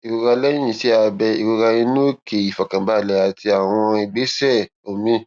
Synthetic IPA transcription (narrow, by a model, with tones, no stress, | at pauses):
i˨ko˧ka˧lɛ̃˦ĩ˦˨si˦a˧bɛ˧i˨ko˧ka˧ĩ˧nũ˦ke˨i˨fa˨kã˨ba˦˨lɛ˨˦a˨ti˧a˨w̃ɔ̃˧i˨ɡ͡be˨˦sɛ˦˨ | o˨mĩ˦